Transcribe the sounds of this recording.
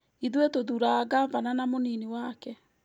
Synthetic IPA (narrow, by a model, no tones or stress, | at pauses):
iðwetoðuɾaɡavananamoniniwakɛ